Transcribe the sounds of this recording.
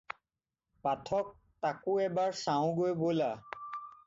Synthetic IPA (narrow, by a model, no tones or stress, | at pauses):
patʰɔk̚ | takʊɛbaɹsaʊ̃ɡojbojla